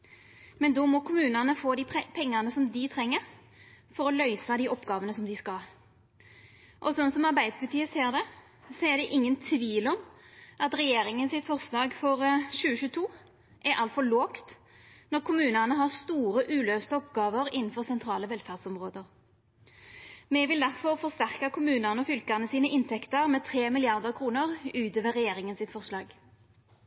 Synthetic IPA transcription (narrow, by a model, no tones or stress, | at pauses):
mɛnd̪ɔmɔkʰʊmʉːnɑnəfoːd̪iːpʰɛŋːɑnəsɔmd̪ɪt̪ʰʁɛŋːəʁ | fɔɾɔlœʏsɑd̪iʔɔpːɡɑːʋənəsɔmd̪ɪskɑl | ʔɔsɔnsɔmɑʁbæɪd̪əpʰɑt̪ʰiːəseːʁd̪ɛ | sɔɛd̪ɛʔɪŋːənt̪ʰʋiːlɔmʔɑt̪ʁɛjeːɾɪŋənsɪt̪fɔʁslɑːɡfɔʁʃʉːəçʉːət̪ʰuː | ʔæɾʔɑlt̪fɔloːkt̪ | nɔʁkʰʊmʉːnənəɦɑʁst̪uːʁəʔʉːløːst̪əɔpɡɑːʋəʁɪnn̩fɔʁsɛnt̪ʰʁɑːləʋɛlfæʁd̪sɔmʁoːd̪əʁ | mɛʋɪld̪æʁfɔʁfɔʁst̪æʁkɑkʰʊmʉːnənəɔfʏlkəʁnəsiːnəʔɪnt̪ʰɛkt̪əʁmɛːt̪ʰɾeːmɪlɪɑʁd̪əʁkʰʁuːnəʁʉːt̪øːʋəʁɛjeːʁɪŋənsɪt̪fɔʁslɑːɡ